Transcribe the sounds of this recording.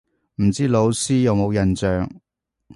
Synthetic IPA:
m̩˨˩t͡siː˥lo˨˧wsiː˥jɐ˨˧wmo˨˧wjɐ˨˩nt͡sœː˨ŋ

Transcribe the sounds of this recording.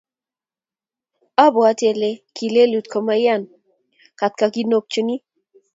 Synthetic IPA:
a˦bɔ˨a˦tjɛ˨le˦ki˨le˦lu˨t̪kʰɔ˨ma˦ja˦˨n | ka˨t̚ka˨ɡi˦no˦k̚t͡ʃu˦ni˦

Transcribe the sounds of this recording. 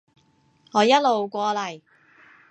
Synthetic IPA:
ŋɔː˨˧jɐ˥t̚lo˨wkʷɔː˧lɐ˨˩j

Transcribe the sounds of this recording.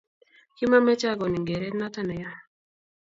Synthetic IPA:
ki˦ma˦mɛ˦t͡ʃa˦ɡɔ˨ni˨ŋɡɛ˨ɾɛ˦tna˦ta˦na˨ja˦

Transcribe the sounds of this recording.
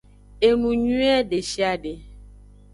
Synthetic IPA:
e˨mu˨ɲu˦ɛ˦de˨ʃi˦a˦de˨

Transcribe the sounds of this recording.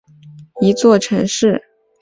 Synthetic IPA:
i˧˥t͡swɔ˥˩ʈ͡ʂʰɤ˧˥ŋʂɻ̩˥˩

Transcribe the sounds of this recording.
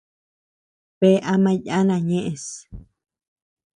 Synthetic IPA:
pe˦ʔa˧mã˧ja˦nã˧ɲẽ˦ʔẽ˨s

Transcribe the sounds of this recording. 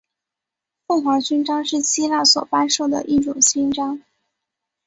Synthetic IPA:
fʊ˥˩ŋxwa˧˥t͡ɕy˥nʈ͡ʂɑ˥ŋʂɻ̩˥˩ɕi˥la˥˩swɔ̰˨˩pa˥nʂo˥˩ʊd̪ə̰˩ʔi˥˩ʈ͡ʂʊ˨˩ŋɕi˥nʈ͡ʂɑ˥ŋ

